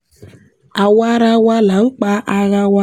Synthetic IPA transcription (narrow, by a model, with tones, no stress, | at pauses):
a˨wa˦ɾa˦wa˦la˨ŋ̩˦k͡pa˦ʔa˧ɣa˦wa˦